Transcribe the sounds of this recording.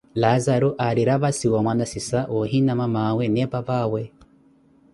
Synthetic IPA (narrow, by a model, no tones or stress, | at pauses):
lazaɾuʔaɾiɾaβasiwamwanasisaʔoɦinamamaweneβaβawe